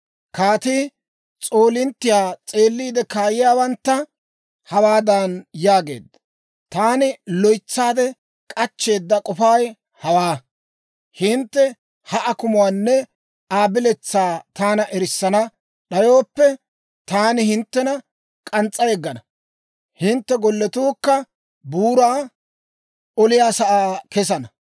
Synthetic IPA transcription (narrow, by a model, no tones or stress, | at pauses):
kaːt̪iː | t͡sʼoːlɪnt̪ːɪjaːt͡sʼe̞ːlːiːd̪ɛkaːjɪjaːwɐnt̪ːɐ | hɐwaːd̪aːnjaːɡe̞̰ːd̪ːɐ | t̪aːnɪlɔjt͡sːaːd̪ɛ | kʼɐt͡ʃːe̞ːd̪ːɐkʼɔfaːj | hɐwaː | hɪnt̪ːɛ | hɐʔɐkʊmʊwaːnːɛ | aːbɪlɛt͡sːaːt̪aːnɐʔɛɾɪsːɐnɐ | ɗɐjo̞ːpːɛ | t̪aːnɪhɪnt̪ːɛnɐ | kʼɐnt͡sʼːɐjɛɡːɐnɐ | hɪnt̪ːɛɡɔlːɛt̪uːkːɐ | buːɾaː | ɔlɪjaːsɐʔaːkɛs̬ɐnɐ